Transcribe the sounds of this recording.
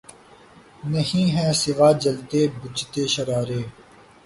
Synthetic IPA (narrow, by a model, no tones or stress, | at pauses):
nəɦĩːɦɛ̃ːsɪʋaːd͡ʒəlt̪eːbʊt͡ʃt̪eːʃəɾaːɾeː